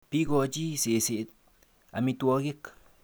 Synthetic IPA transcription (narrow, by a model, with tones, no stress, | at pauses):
pi˦ɡo˧t͡ʃi˦se˨se˨ʔ̪ | a̰˨mi˧t̪u˧a˧ɡe˦k